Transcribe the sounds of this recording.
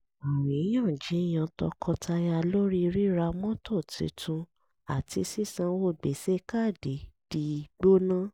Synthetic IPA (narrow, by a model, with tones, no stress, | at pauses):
a˨mĩ˨˦j̃ã˦˨d͡ʒi˨˦˨j̃ã˧tɔ̰˧kʰɔ˧tʰa˧ja˧lo˦ɾi˦˧ɾi˦ɾa˧mɔ̃˦tʰɔ˦˨tḭ˨˦tũ˧ | a˨ti˧˦si˦˨sã˧wo˦˨ɡ͡be˨se˦ka˦˨de˨˦d̥i˧˦˧ɡ͡bo˦nã˦